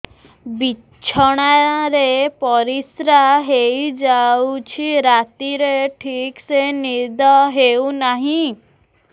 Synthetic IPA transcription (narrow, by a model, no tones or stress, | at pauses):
bi | t͡ʃʰɔɽ̃aɾepɔɾisɾaɦeid͡ʒaut͡ɕʰiɾat̪iɾeʈʰiːksenid̪ɔɦeunaɦĩ